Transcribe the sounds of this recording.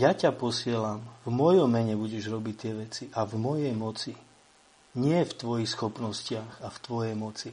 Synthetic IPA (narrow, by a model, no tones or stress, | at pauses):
jacapɔsɪɛlamvmɔjɔmmɛɲɛbuɟɛʒɾɔbict̪ɪɛʋɛt͡siʔavmɔjɛjmɔt͡si | ɲɪɛft̪ʋɔjixsxɔpnɔscɪaɣaft̪ʋɔjɛjmɔt͡si